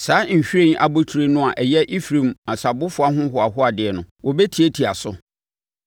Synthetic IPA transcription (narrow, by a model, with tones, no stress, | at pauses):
saː˨˦ɲ̩˨ɕᶣẽ˦n˦a˨bʊ˦tʰu˨ɾe˦nʊ̃˦a˨ʔɛ˨jɛ˦ʔi˦fɾĩ˨mã˨sa˨bʊ˦fʊ˨a˦ɦʊ̃˦ɦʊ˨a˨ɦʊ˦a˨dɪ˨ɛ˨nʊ̃˨wʔɔ˨be˦tʰi˨e˦tʰi˨a˨sʊ˦